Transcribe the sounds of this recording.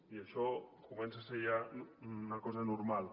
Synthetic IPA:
iaʃɔkumɛnsasejannɐkɔzɐnuɾmalˠ

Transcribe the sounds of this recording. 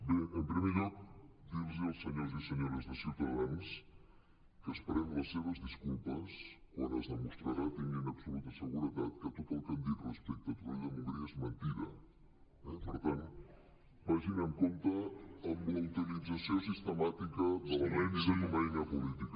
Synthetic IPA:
beəmpɾimeɾod̪iɾziɐlˠsəɲojzisəɲoɾəzðəsiwt̪ɐðans | kːspəɾemlɐsːeβɐzðiskulˠpɐskwonɐzðəmust̪ɾaɾat̪iɲenɐβsolut̪ɐsəɣuɾət̪at̪kət̪ot̪olˠk̪end̪it̪rəspɛk̚t̪ɐt̪uiðəmuðɾiəzmənt̪iɾɐ̰ | ɛpoɾt̪ant̪ | mɐʒinɐŋkont̪ɐːmbuɐwt̪ilid̪zɐsjos̬ist̪əmat̪ikɐðɐlɐmɛnzeumɐenɐpulit̪ik

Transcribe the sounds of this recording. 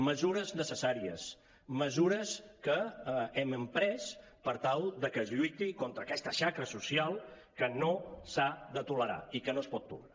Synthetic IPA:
məzuɾəznəsəsaɾiəs | məzuɾəskəɛməmpɾɛs | pəɾt̪alˠd̪əkəːzʎujt̪ikont̪ɾəːkɛst̪əʃakɾəsusialˠ | kənosaðət̪uləɾa̰ikənoəspɔt̪ːṵlna

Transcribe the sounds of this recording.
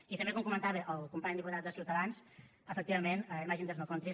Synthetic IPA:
it̪əmbekomkumənt̪aβeʔəlˠkumpaɲd̪iput̪at̪̚d̪əsiwt̪əðans | əfək̚t̪iβəmenəimaʒind̪əznokont̪ɾi

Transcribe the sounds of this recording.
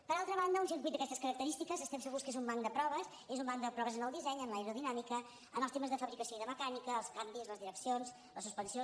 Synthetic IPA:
pəɾalˠt̪ɾəβ̞and̪əunsiɾk̬wit̪d̪əkɛst̪əskəɾək̚t̪əɾist̪ikəzəst̪ɛmsəɣuskezumbaŋkd̪əpɾɔβəs | ezumbaŋkd̪əpɾɔβəzənəlˠd̪izɛɲəmlajɾuðinamikə | ənəlˠst̪eməzðəfəβɾikəsioiðəməkanikəːlˠskambizləzðiɾəksions | ləsuspənsio

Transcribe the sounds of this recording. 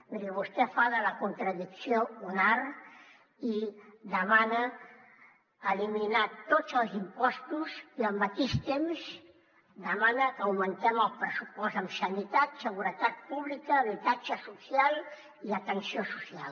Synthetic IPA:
meɾeβust̪efaðəlakunt̪ɾaðiksjounaɾ | id̪əmana | liminat̪ot͡səlˠzimpɔst̪uzialmbat̪ist̪ems | d̪əmanakawmənt̪ɛməlˠpɾəsupɔzamsanit̪at̪səɣuɾət̪at̪̚puβlikaβit̪at͡ʃasusjal | iat̪ənsjosusjal

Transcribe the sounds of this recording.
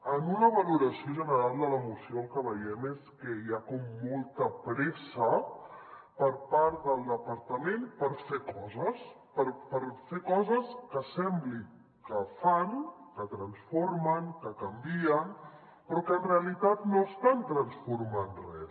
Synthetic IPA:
ənunəβəluɾəsioʒənəɾalˠd̪ələmusioəlˠkəβəjɛmeskəjakɔmːolˠt̪əpɾɛsə | pəɾpaɾt̪d̪əlˠd̪əpəɾt̪əmenpəɾfekɔzəs | pəɾpəɾfekɔzəskəsɛmbli | kəfaŋkət̪ɾənsfoɾməŋkəkəmbiən | pɾɔkənreəlit̪at̪noəst̪ant̪ɾənsfuɾmanrɛ

